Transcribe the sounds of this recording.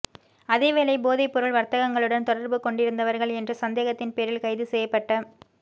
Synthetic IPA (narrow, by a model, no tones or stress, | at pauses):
ɐðeːʋeːlɐɪboːðɪpːʊɾɯɭʋɐɾt̪ɐɣɐŋɡɐɭɯɽɐnt̪ɔɽɐɾbɯkɔɳɖɪɾɯnd̪ɐʋɐɾɣɐɭɛndrɯsɐnd̪eːɣɐt̪ːɪnpeːɾɪlkɐɪðɯsɛjɐpːɐʈːɐ